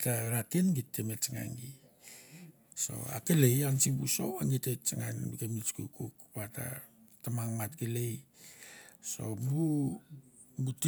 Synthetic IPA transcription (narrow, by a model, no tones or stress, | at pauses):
taɾatenɡitːemet͡ʃaŋa̰ŋɡi | so̞̰a̰kelejansibuso̰waŋɡitet͡ʃaŋanbiɡemit͡ʃkukukpata̰ | tamaŋmatkelej | so̞̰bu | but